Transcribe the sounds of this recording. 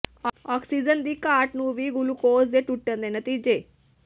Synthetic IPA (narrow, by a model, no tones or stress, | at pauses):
ɔːksid͡ʒənd̪iːkaːʈnuːʋiɡulukoːzd̪eʈuʈːənd̪enɐt̪iːd͡ʒeː